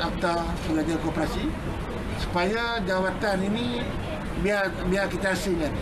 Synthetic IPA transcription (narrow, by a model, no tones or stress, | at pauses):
ak̚t̪a | pəɡad͡ʒakopɾasi | su̥pajad͡ʒawat̪anini | biarbiakit̪aːsɪlkan